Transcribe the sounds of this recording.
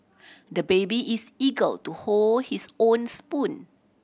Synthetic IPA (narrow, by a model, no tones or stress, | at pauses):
dəbebiʔisiɡəltuholdhisõnspũn